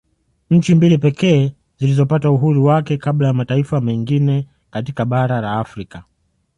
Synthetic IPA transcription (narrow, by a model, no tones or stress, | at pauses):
ɲ̩t͡ʃimbilipɛkɛː | zilizɔpatauɦuɾuwakɛkaɓlajamataifamɛŋɡinɛ | katikaɓaɾalaːfɾika